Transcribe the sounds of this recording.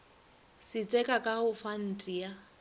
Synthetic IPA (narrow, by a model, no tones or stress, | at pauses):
sɪt͡sʼɛkʼakʼahʊfan̩tʼija